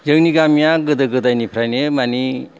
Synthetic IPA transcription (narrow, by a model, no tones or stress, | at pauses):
jəŋniɡamjaɡɯd̪ɯɡɯd̪ajnipʰɾajnemani